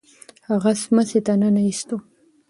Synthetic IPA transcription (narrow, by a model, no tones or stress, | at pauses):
haʁasmaset̪ananaist̪o